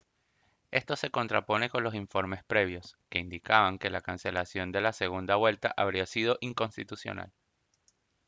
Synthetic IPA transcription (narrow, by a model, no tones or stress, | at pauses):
e̞st̪o̞se̞ko̞nt̪ɾapo̞ne̞ko̞nlo̞siɱfo̞ɾme̞spɾe̞β̞jo̞ske̞ind̪ikaβaŋke̞lakanse̞lasjo̞nd̪e̞lase̞ɣ̞und̪aβwe̞lt̪aʔaβɾiasið̞o̞ʔiŋko̞nst̪it̪usjo̞̰na̰l